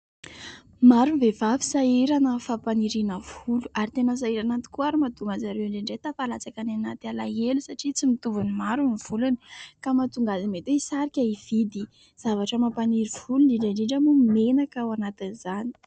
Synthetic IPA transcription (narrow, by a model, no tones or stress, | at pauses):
maɾunivevavi̥saiɾanəfapaniɾinəv̥uluʔaɾit̪enəs̬aiɾanant̪i̥kuaɾimad̪umazaɾewiɳɖ͡ʐeɳɖ͡ʐet̪afalat͡sakananat̪ala̰elusaʈ͡ʂit͡simit̪uvunimaɾuniv̥uluni̥kamat̪uŋɡazimet̪weisaɾikʲaiv̥id̪i | z̥avaʈ͡ʂəmapaniɾiv̥uluɳɖ͡ʐiɳɖ͡ʐaɳɖ͡ʐiɳɖ͡ʐamumenakawanat̪iniz̥ani̥